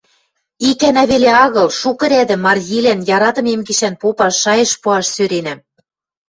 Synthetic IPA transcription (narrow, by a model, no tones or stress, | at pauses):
ikænæβeleɑɣɤ̆lʃukɤ̆ɾæd̪ɘ̆mːɑrɣilænjɑɾɑt̪ɤ̆memɡiʃænpopɑʃːɑjɤ̆ʃpuɑʃsøɾenæm